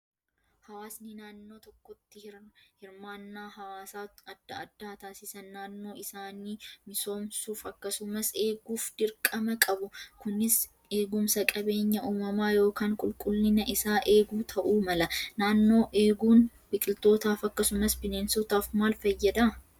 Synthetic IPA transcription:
hɐwaːsnɪnaːnːo̞ːt̪ɔkːɔt̪ːɪhɪɾmaːnːaːhɐwaːsaːɐd̪ːɐɐd̪ːaːt̪aːsɪsɐnːaːnːo̞ːɪsaːniːmɪso̞ːmsuːfɐkːɐsʊmɐse̞ːɡuːfd̪ɪɾkʼɐmɐkʼɐbʊkʊnɪs | e̞ːɡʊmsɐkʼɐbe̞ːɲːɐʔuːmɐmaːjo̞ːkaːŋkʼʊlkʼʊlːɪnɐʔɪsaːʔe̞ːɡuːt̪ʰɐʔuːmɐlɐnaːnːo̞ːʔe̞ːɡuːn | b̥ɪkʼɪlt̪o̞ːt̪aːfɐkːɐsʊmɐsbɪneːnsot̪aːfmaːlfɐjːɐd̪a

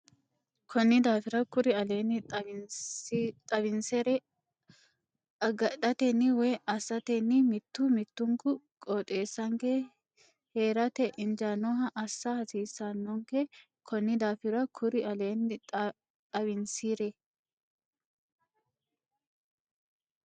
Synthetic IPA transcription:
kʰɔnːɪd̪aːfɪɾɐkʊɾɪɐle̞ːnːɪ | t̪ʼɐβɪnsɛɾɛ | ɐɡɐᶑɐt̪ɛnːɪwɛːʔɐsːɐt̪enːɪmɪt̪ːʊmɪt̪ːʊŋkʊ | kʼot̪ʼeːsːɐŋke | heːɾɐt̪ɛʔɪnd͡ʒaːnɔɦɐʔɐsːɐhɐsiːsːɐnːɔŋkɛ | kʰɔnːɪd̪aːfɪɾɐkʰʊɾɪɐle̞ːnːɪ | t̪ʼɐβɪnsiːɾɛ

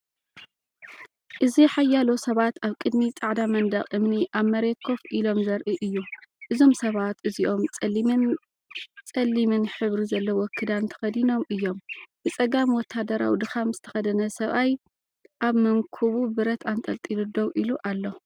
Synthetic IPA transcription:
ʔɨziħajːalo̞sɐβat̪ʰaβkʼɨd̪mit͡sʼaʕd̪amɐnd̪ɐχʼʔɨmniʔaβmɐɾekʰo̞fʔilo̞mzɐɾʔiʔɨjːuʔɨzo̞msɐβat̪ɨziʔo̞mʼ | t͡sʼɐlːimɨnħɨβɾizɐlːɐwɔkʰːɨd̪ant̪ʰɐ̥xɐd̪ino̞mʔɨjːo̞mb̥ɨt͡sʼɐɡamiwɔt̪ʰːad̪ɐɾa̰wid̪ɨxamz̥ɨt̪ʰɐ̥xɐd̪ɐnɐsɐβʔaj | ʔaβmɐŋkʰuβubɨɾɐt̪ant̪ʼɐlt̪ʼilud̪owʔiluʔalːo

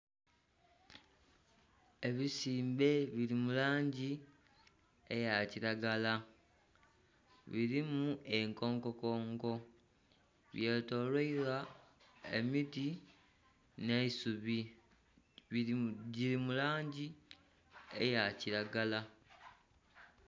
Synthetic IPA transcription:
e̞βisiːmbe̞βilimulaːɲɟi | e̞jaciɾaɡala | βiɾimue̞ŋko̞ːŋko̞ko̞ːŋɡo̞ | βje̞to̞lweiɾa | ḛmiti | ne̞isuβi | ɟiɾimulaːɲɟi | ḛjaciɾaɡala

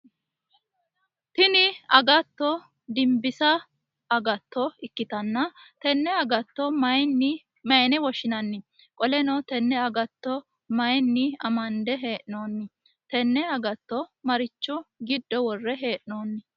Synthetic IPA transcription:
t̪ɪnɪɐɡɐt̪ːɔ | d̪ɪmbɪsɐ | ɐɡɐt̪ːɔɪkːɪt̪ɐnːɐt̪ɛnːɛɐɡɐt̪ːɔmɐjnːɪ | mɐjnɛwɔʃɪnɐnːɪ | kʼɔlɛnɔt̪ɛnːɛɐɡɐt̪ːɔ | mɐjnːɪɐmɐnd̪ɛɦe̞ːʔɪno̞ːnːɪ | t̪ɛnːɛɐɡɐt̪ːɔmɐɾɪt͡ʃːʊɡɪd̪ːɔwɔrːɛɦeːʔɪnoːnːɪ

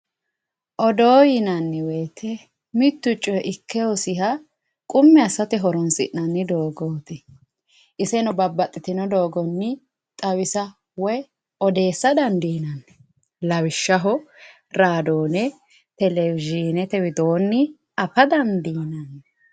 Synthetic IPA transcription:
ʔɔd̪oːjɪnɐnːɪweːt̪ʰːɛ | mɪt̪ːʊt͡ʃʼːɔʔɪkːɛwɔsɪɦɐ | kʼʊmːɛɐsɐt̪ɛɦɔɾɔnsɪ̰ʔnɐnːɪd̪o̞ːɡoːt̪ɪ | ʔɪsɛnɔbɐbːɐt̪ʼːɪt̪ɪnɔd̪oːɡɔnːɪ | t̪ʼɐwɪsɐ | wɔj | ɔd̪e̞ːsːɐd̪ɐnd̪iːnɐnːɛ̥ | lɐwɪʃːɐɦɔ | ɾaːd̪oːnɛ | t̪ɛlɛwɪʒiːnɛt̪ɛwɪd̪oːnːɪ | ɐfɐd̪ɐnd̪iːnɐnːɛ

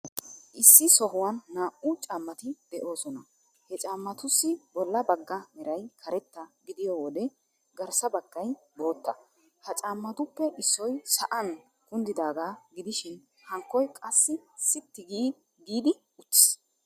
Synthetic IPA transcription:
ʔɪsːɪsɔɦʊwɐnːaːʔʊt͡ʃʼaːmːɐt̪ɪd̪̥ɛʔo̞ːsɔnɐ | hɛt͡ʃʼaːmːɐt̪ʊsːɪbɔlːɐbɐɡːɐmɛɾɐjkʰɐɾɛt̪ːɐɡɪd̪ɪjowɔd̪ɛ | ɡɐɾsɐbɐɡːɐj | bo̞ːt̪ːɐ | hɐt͡ʃʼaːmːɐt̪ʊpːɛʔɪsːɔjsɐʔɐn | kʊnd̪ɪd̪aːɡaːɡɪd̪ɪʃɪn | hɐŋkːɔjkʼɐsːɪsɪt̪ːɪɡiː | ɡiːd̪ɪ | ʊt͡ʃːɪ̥s

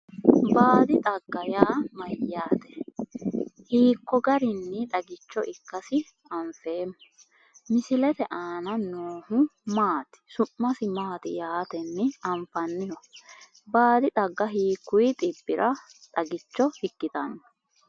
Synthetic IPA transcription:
baːd̪ɪt̪ʼɐɡːɐjaːmɐjːaːt̪ɛ̥ | hiːkːɔɡɐɾɪnːɪᶑ̪ɐɡɪt͡ʃːɔʔɪkːɐsɪ | ɐɱfeːmːʊ | mɪsɪlɛt̪ɛʔaːnɐnoːhʊmaːt̪ɪ̥sʊmːɐsɪmaːt̪ɪ̰jaːt̪ɛnːɪɐɱfɐnːɪhɔ | baːd̪ɪt̪ʼɐɡːɐɦiːkːʊjɪt̪ʼɪbːɪɾʔɐt̪ʼɐɡɪt͡ʃːɔhɪkːɪt̪ɐnːɔ̥

